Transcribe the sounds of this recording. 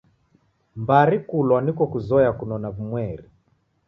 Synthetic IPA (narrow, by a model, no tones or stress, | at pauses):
mbaɾikulwanikɔkuzɔjakunɔnaβumwɛɾi